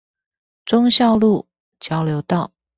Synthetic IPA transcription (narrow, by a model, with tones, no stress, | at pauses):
ʈ͡ʂʊ˥ŋɕjɑ˥˧ʊlu˥˩ | t͡ɕjɑ˥ʊljo˧˥ʊt̪ɑ˥˩ʊ